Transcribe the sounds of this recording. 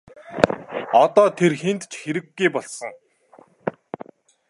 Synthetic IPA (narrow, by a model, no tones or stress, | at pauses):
ɔt̪ɔːt̪ʰerxent̪t͡ɕxeɾɘ̆ɡːujpɔɮsɞ̆ŋ